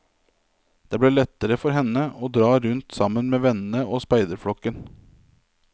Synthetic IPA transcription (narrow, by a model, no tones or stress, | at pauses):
d̪̥eːbliːɭɛt̪ːəɾəfɔɾɦɛnəʔoːd̪ɾɑːɾʉnt̪sɑmənmeːʋɛnn̩əoːspæɪd̪əɾfɽɔkːən